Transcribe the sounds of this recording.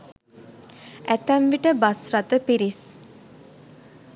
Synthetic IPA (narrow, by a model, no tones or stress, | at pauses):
æt̪æmʋiʈəbasrat̪əpiɾis